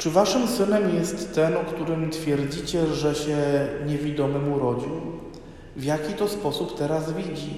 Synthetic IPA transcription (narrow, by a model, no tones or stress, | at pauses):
t͡ʂɘvaʂɘmsɘnɛmjɛst̪ːɛnɔkt̪uɾɘmt̪fʲjɛɾd͡ʑit͡ɕɛʐɛɕɛɲevʲid̪ɔmɘmuɾɔd͡ʑiw | vʲjakʲit̪ɔspɔsupt̪ɛɾazvʲid͡ʑi